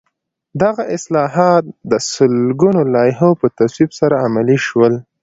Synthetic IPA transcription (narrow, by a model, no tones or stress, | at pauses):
d̪aɣaʔɪslɑɦɑt̪̚d̪əsəlɡunolɑjɦopət̪aswibsaɾaamaliʃwəl